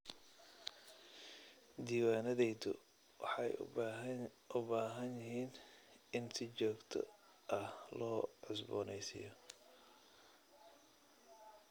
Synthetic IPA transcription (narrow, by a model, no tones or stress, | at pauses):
d̪iːwaːnɐðɛjðʊ̰ | wɑ̰ħɑj | ʊbaːɦɐnjɪɦiːnɪnsɪt͡ʃɔːɡt̪ʰɔ̰ | ʔɐhlɔːʕʊsbɔ̰ːnɛjsɪ̰jɔ